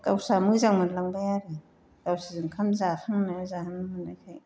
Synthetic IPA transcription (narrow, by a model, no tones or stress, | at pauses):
kawsamɯzaŋmanlaŋbajaɾe | kawsizɯŋkʰamzahʰaŋnazahanamanajkʰaj